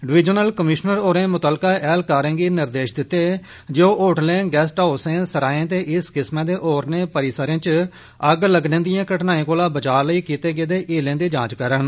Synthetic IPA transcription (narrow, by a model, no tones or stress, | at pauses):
ɖɪʋɪd͡ʒənəlkəmɪʃnəɾoːɾẽːmʊt̪əlkaːʔɛːlkaːɾẽːɡiːnɪɾd̪eːʃd̪ɪt̪ːeː | d͡ʒeoːʔoːʈlẽːɡɛːsʈaːosẽːsəɾaːẽːt̪eːʔɪskɪsmãːd̪eːʔoːɾnẽːpəɾɪːsəɾẽːt͡ʃ | əɡləɡnẽːd̪ɪjãːkəʈnaːẽːkoːlãːbət͡ʃaːɾləiːkiːt̪eːɡeːd̪eːʔeːlẽːd̪iːd͡ʒãːt͡ʃkəɾən